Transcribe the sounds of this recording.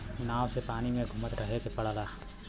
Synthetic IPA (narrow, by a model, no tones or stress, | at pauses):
naːʋsepaːnimẽɡʱʊmət̪ɾəɦekepəɽ̤ala